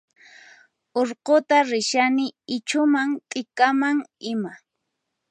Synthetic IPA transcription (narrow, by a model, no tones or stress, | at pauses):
oɾqot̪aɾɪʃanɪɪt͡ʃʊmaŋt̪ʼɪkamaŋɪma